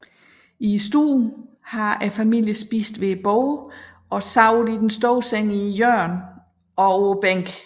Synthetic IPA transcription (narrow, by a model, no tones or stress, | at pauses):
isd̥ṵːn | hɑ̈æfæmil̰jəsb̥ḭːsd̥ʋe̝b̥ɔʊ | ɒ̽sɑ̈ʊ̰lˠid̥ensd̥ɔːseŋ̰ijœɐn | ɒ̽ob̥eŋ̰ɡ̥